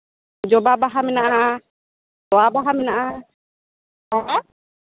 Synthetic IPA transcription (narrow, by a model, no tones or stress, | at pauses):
d͡ʒɔbabaɦamɛnaʔaa | t̪ɔabaɦamɛnaʔa | ɦɔ